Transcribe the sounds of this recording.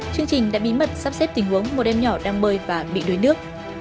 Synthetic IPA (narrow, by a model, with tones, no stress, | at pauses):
t͡ɕɨ˧əŋt͡ɕï˨˩ŋ̟ɗa̰ː˧˥ɓi˨˦mə˨˩t̚saː˦˥p̚sɛ˦˥p̚t̪ï˨˩ŋ̟hu˨˦əŋmo˨˩t̚ʔɛ˧mɲɔ˧˩ɗaː˧ŋɓəː˧jvaː˨˩ɓḭ˧˨ɗo˨˦jnɨ˦˥ək̚